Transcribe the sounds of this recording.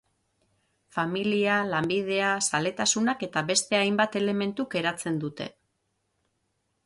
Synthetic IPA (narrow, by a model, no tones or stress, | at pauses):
familialambið̞e̞asale̞t̪asunake̞t̪aβe̞st̪e̞ajmbat̪e̞le̞me̞nt̪uɡe̞ɾat͡se̞nd̪ut̪e̞̰